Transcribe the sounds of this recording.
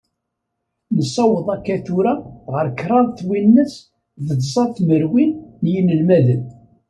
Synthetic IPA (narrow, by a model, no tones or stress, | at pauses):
nəsːɑwəðˤɑkːæθuɾaʁəɾkːɾˤɑðθwinːəs | ðəd̪sˤɑðθməɾwinːjinəlmæðən